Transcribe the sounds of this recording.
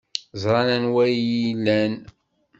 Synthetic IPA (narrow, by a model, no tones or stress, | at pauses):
zˤɾˤɑnænwæjilːæn